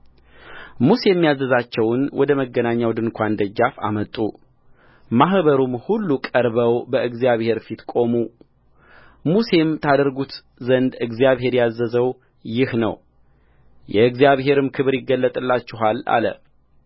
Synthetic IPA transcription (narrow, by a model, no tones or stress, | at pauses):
muse̞mːjazːəzat͡ʃːɛwnwɔd̪əməɡːənaɲːawd̪ɨnkʷʰand̪əd͡ʒafa̰mət̪ʼːṵ | maɦbəɾumhulːukʼəɾbəwbəɨɡzijaβhe̞ɾfit̪kʼo̞mu | muse̞mt̪ʰad̪əɾɡut̪ | zənd̪ɨɡzijaβɦe̞ɾjazːəzəw | jɪhnə̰w | jɛɨɡzjaβɦe̞ɾɨmkʰɨβɨɾjɪɡːəlːət̪ʼɨlːat͡ʃːɪɦala̰lə̰